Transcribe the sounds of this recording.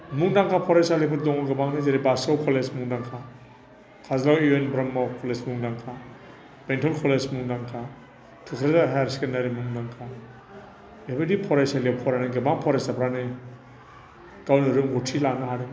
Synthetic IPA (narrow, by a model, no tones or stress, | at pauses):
muŋdaŋkʰapʰɔɾesalepʰɯdɔŋɔɡɯbaŋnazeɾibasawkʰɔlesmuŋdaŋkʰa | kʰazlawienbɾɐmːawkʰɔlesmuŋdaŋkʰa | b̥entʰɔlkʰɔlesmuŋdaŋkʰa | tʰukʰɾazaɦajaɾskenaɾimuŋdaŋkʰa | ebadipʰɔɾesalepʰɔɾanaɡɯbaŋpʰɔɾesapʰɾanɯ | ɡ̥awnɯɾɯŋɡutʰilanaɦaɾe